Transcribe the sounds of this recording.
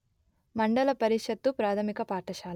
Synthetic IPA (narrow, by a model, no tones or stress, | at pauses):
mɐɳɖɐlɐpɐɾiʃɐt̪ːupɾaːt̪ʰɐmikɐpaːɾʈɐʃaːl